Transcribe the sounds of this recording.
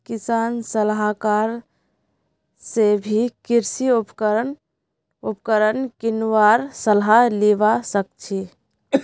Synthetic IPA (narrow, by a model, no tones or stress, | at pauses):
kisansəlɦakaɾ | sebʱikiɾsiupkən | upkəɾənkinʋaɾsəlɦaliʋasək̚t͡ʃʰi